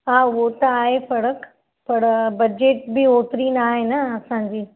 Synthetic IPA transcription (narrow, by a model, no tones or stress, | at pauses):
ɦaːʊot̪ɐaːɦefɐɽək | pɐɽbɐd͡ʑeːʈ̚bɪoːt̪ɾinaːɦenɐɐsãːɲ̆d͡ʑiː